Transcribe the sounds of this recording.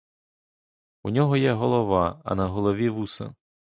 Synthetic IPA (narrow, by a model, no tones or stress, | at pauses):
unʲɔɦɔjɛɦɔlˠɔʋɑɐ̰nɐɦɔlˠɔʋʲiʋusɐ̰